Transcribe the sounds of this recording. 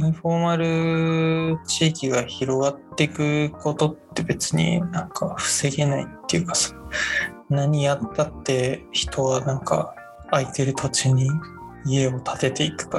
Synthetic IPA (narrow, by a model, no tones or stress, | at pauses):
ɯɲ̟iɸo̞maɾɯ̟ | t͡ɕiːkʲiɡaçiɾo̞ɡat̪ːe̞ikɯ̟ko̞t̪o̞t̪ːe̞be̞t͡sɨ̥ɲ̟ḭnãŋkʰaɸɯ̥se̞ɡe̞nait̪ːe̞jɯ̟kḁso̥ | naɲ̟ijat̪ːat̪ːe̞çi̥t̪ʰo̞ɡanãŋka̰ | ait̪e̞ɾɯ̟t̪ʰo̞t͡ɕiɲ̟i | ie̞o̞t̪ʰat̪e̞t̪e̞ikɯ̟̥ka